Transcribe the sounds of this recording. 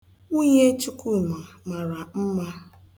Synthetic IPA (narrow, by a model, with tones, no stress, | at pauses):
u˦je˦t͡ʃi˦ku˦˨na˨ | ma˨ɾa˨m̩˦ma˦